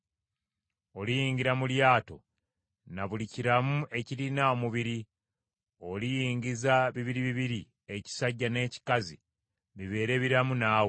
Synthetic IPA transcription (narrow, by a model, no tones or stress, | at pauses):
o̞lijiːɲɟiɾamuljaːto̞̰ | naβuliciɾamuʔe̞ciɾinaomuβiɾi | olijiːŋɟizaβiβiɾiβiβiɾi | e̞ci̥saɟːane̞ːci̥kazi | βiβe̞ːɾe̞βiɾamunaːw